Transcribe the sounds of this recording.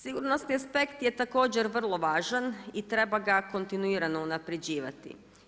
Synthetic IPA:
siɡuɾnost̪niaspe̞kt̪jet̪ako̞ːd͡ʑeɾʋr̩lˠo̞ʋaːʒanit̪ɾe̞baɡako̞nt̪inuiːɾano̞unapɾed͡ʑiːʋa̰t̪ḭ

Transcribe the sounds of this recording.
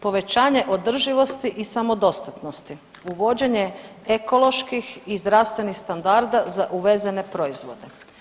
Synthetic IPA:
po̞ʋe̞t͡ɕaːɲe̞ʔo̞d̪r̩ʒiʋo̞st̪iʔisamo̞d̪o̞st̪at̪nost̪iuʋo̞d͡ʑe̞ɲe̞eko̞lo̞ʃkixizd̪ɾast̪ʋe̞nixst̪and̪aɾd̪azaʔuʋe̞zene̞pɾo̞izʋo̞d̪e̞

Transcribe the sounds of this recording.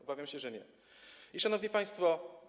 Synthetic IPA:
ɔbavʲjamɕɛʐɛɲɛ̰ | iʂanɔvɲipaj̃st̪fɔ

